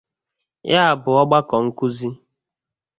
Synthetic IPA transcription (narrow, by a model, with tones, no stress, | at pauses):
ja˦a˨bʊ˨ɔ˦ɡ͡ba˦kɔ˨ŋ̩˦ku˦zi˦